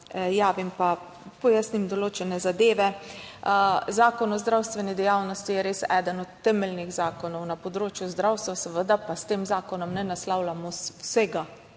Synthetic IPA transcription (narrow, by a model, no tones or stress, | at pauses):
jaːʋimpa | pɔjasnimd̪ɔloːt͡ʃɛnɛzad̪eːʋɛ | zaːkɔnɔzd̪ɾawst̪ʋɛnid̪ɛjawnɔst̪ijɛɾeːsɛːd̪ənɔt̪ːɛmɛlnixzaːkɔnɔwnapɔd̪ɾoːt͡ʃjuzd̪ɾawst̪ʋasəʋəd̪apast̪eːmzaːkɔnɔmnɛnaslawlamɔsɛɡa